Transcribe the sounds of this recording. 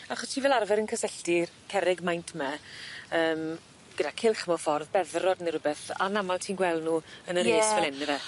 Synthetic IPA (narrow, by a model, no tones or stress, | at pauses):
aχɔstʰiːvɛːlˠarvɛɾənkʰəsɛɬdɪrkʰɛɾɪɡmajntʰmɛəːm | ɡ̥ədakʰɪlˠχmɔfɔrðbɛðrɔdniɾʊbɛθa̰namalˠtʰiːnɡwɛlˠdnuːənəɾeːsvɛlɛnɾɛ